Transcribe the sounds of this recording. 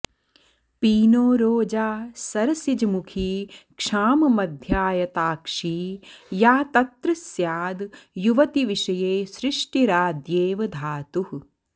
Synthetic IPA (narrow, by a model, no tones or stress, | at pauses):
piːnoːɾoːd͡ʒaːsɐɾɐsid͡ʒɐmukʰiːkʂaːmɐmɐd̪ʱjaːjɐt̪aːkʂiːjaːt̪ɐt̪ɾɨsjaːd̪juʋɐt̪iʋiʃɐjeːʃɾɪʂʈiɾaːd̪jeːʋɐd̪ʱaːt̪uɦ